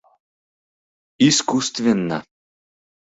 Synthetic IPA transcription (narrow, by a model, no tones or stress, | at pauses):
iskust̪vʲenːɑ̰